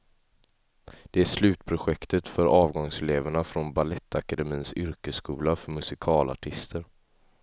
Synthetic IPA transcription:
d̪̥ɛæʂlʉ̟ːt̪pʰɾʊɧɛkt̪ət̪fœɾɑːvɡɔŋsɛleːvəɳafɾɔnbalɛt̪ʰːakad̪ɛmiːnsʏɾkəskuːlafœɾmɵsɪkʰɑːla̰ʈʰɪst̪ʰəɾ

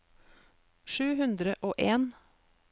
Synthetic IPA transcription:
ʃʉːɦʉnd̪ɾəʔoːʔeːn

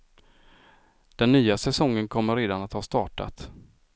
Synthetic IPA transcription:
d̪̥ɛnːyːasɛsɔŋːənkʰɔmːəɾeːd̪anat̪hɑːst̪ɑːʈa̰t̪

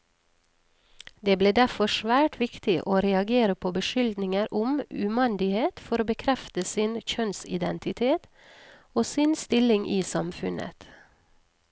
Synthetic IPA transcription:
d̪eːbleːd̪æfɔʃʋæːʈʰʋɪkt̪ɪʔoːɾɛɑɡeːɾəpʰoːbəʃʏld̪nɪŋəɾʔʊmʉmɑnd̪ɪheːt̪fɔɾoːbəkʰɾɛft̪əsɪnçœnsɪ̰d̪ɛnt̪ɪt̪ʰeːt̪ | oːsɪnst̪ɪlɪŋʔiːsɑmfʉnə̰t̪

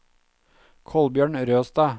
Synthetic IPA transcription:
kʰɔlbjøːɳɾøːst̪ɑː

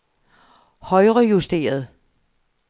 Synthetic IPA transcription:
hɒ̽ɪʁɐjusd̥e̝̰ːɐð̞̩ˠ

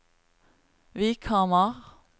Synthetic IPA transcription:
ʋiːkʰɑːmɑʁ

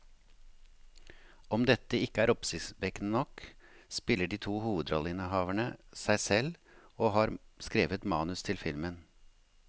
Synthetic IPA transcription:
ɔmd̪ɛt̪əɪkəæːɾɔpsɪsʋɛkənənɔkspɪləɖiːt̪ʰuːhuːʋəd̪ɾɔ̰lːəɪnəɦɑːʋæɳəsæɪsɛl | oːhɑːɾskɾeːʋət̪mɑːnʉst̪ʰɪlfɪlmən

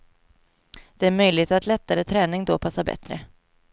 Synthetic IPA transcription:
d̪̥ɛæɾmœjlɪɡt̪at̪lɛt̪ːaɾət̪ʰɾɛːnɪŋd̪ɔpʰasːabɛ̰t̪ɾə̰

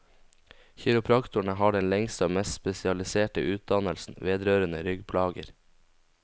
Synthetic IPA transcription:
çɪɾʊpʰɾɑkt̪ʊɳəhɑːɖɛnlɛŋst̪əoːmɛst̪spɛsɪɑlɪseːʈə̰ʔʉːt̪̚d̪ɑnəlsn̩ʋeːd̪ɾøːɾənəɾʏɡpʰlɑːɡə̰ɾ

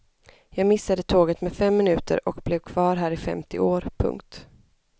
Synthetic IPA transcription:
jɑːɡmɪsːad̪ət̪ʰoːɡət̪mɛfɛmːɪnʉ̟ːt̪ə̰ɾɔkblɛvkʰv̥ɑːɾɦæːɾɪfɛ̰mt̪ɪ̰oːɾpʰɵ̰ŋkt̪

